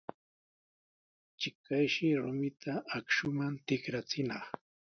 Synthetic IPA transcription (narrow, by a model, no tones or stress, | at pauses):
t͡ʃɪkajʃɪɾʊmɪt̪ʰaakʃʊmant̪ɪkɾat͡sɪnɑχ